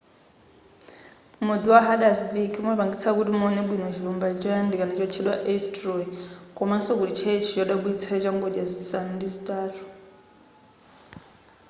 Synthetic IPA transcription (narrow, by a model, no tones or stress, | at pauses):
mod͡ziwaɦaɗasbikʰmɔβaŋɡit͡sʰakutimɔnɛɓwinɔt͡ʃʰilɔmbad͡ʒandikanat͡ʃɔt͡ʃʰɛɗwaʔɛstɾɔkʼɔmansɔkuɾit͡ʃʰɛt͡ʃʰijɔɗaɓuit͡sʰat͡ʃaŋɡoɗjazisanndizitʼaːrɔ